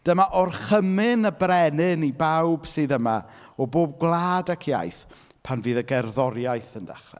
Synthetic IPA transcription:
d̥əmaʔɔrχəmɪnəbrɛnɪnibawb̥sɨːðəma | ɔboːb̚ɡlˠaːdakʰja̰jθ | pʰanvɨːðəɡɛrðɔɾjajθənda̰χrɛ̰

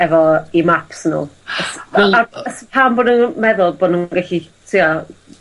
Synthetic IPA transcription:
ɛvɔimapsnṵːəsaəspʰamboːdnunmɛðʊlˠboːdnunɡaɬi | tʰia

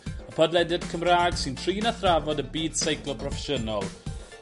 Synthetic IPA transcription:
əpʰədlˠɛdɪdkʰəmraːɡ̥sɪntʰriːnaθravɔdəbiːd̥sejklˠɔpʰrɔfɛʃənɔlˠ

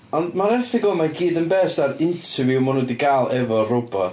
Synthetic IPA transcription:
ɔndmaɾɛrθɪɡɔmaɡiːdənbɛːsd̥aɾɪntʰəvjumɔnʊdiɡaːlˠɛvɔrʊbɔ

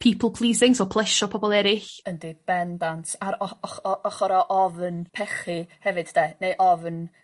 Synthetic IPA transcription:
pʰiːpʰəlˠpʰlˠiːsɪŋsɔpʰlˠɛʃɔpʰɔbɔlˠɛɾɪɬəndib̥ɛndantʰaɾɔɔχɔɔχɔɾɔʔɔvnpʰɛχihɛvɨd̥deːnejʔɔvn

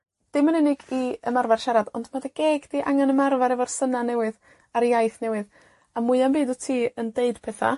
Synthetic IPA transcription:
d̥ɪmanɛnɪɡiəmarvar̥ʃaɾadɔndmadaɡeːɡd̥iʔaŋanəmarvaɾɛvɔrsənanɛwɨð | aɾjajθnɛwɨð | amʊɨambiːdɔtʰiːəndeɨd̥pʰɛθa̰

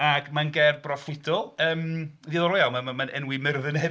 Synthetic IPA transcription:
aɡmanɡɛrbrɔfɪdɔlˠəːmðiːðɔɾɔjalˠmamamanɛnwɪmɪrðənɛ

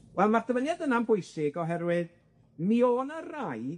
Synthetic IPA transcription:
wɛlˠmardəmənjadənambʰʊɨsɪɡɔɦɛɾwɨð | mioːnəraj

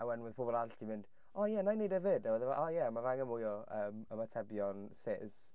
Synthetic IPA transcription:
awɛnwɪð̥pʰobɔlˠaltimɪnd̥ | ɔjɛnanedəvɪdawəðəvaʔɔjɛmavaŋəmujɔəːməmatʰɛbjɔnsɪz̥

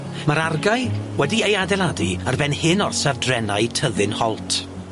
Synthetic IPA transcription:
məɾarɡaɨwɛdiejadɛlˠadiarvɛnhɪnɔrsavdrɛnaɨtʰəðɨnhɔlˠtʰ

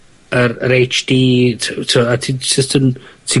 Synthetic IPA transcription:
əɾəɾejt͡ʃd̥iːtʰəatʰisɪstʰəntʰi

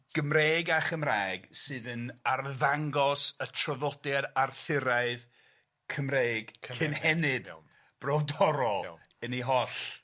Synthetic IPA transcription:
ɡ̥əmreːɡaχəmrajɡsɨːðənarðaŋɡɔsətʰrɔðɔdjadarθɪɾaɨð | kʰəmreːɡ̥kʰɨnhɛnɨd̥ | b̥rɔvdɔɾɔ | əniɦɔɬ

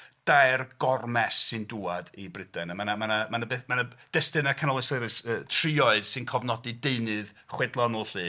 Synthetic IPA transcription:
d̥ajrɡɔrmɛsːɨnduːadibrɪd̥ɛnamanamanamanabemanad̥ɛstɨnakʰanɔlˠɨseɾɨsəːtʰriɔɨðsɨnkʰɔvnɔdɨdeɨnɨð | χwɛdlˠɔnɔlˠɬɨː

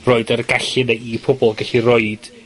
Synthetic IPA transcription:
rɔɨdərɡaɬɨneipʰʊbɔlˠɡɛɬirɔɨd̥

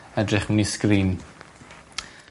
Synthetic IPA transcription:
ɛdrɪχmiskɾiːn

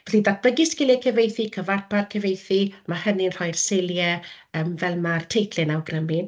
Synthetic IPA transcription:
vɛɬidat̚b̥əɡɪskɪlˠɛkʰɛvejθikʰəvarpʰarkʰɛvejθimahəninr̥ɔjrsejlˠjɛəmvɛlˠmartʰejθʰlɨnawɡrəmɪn

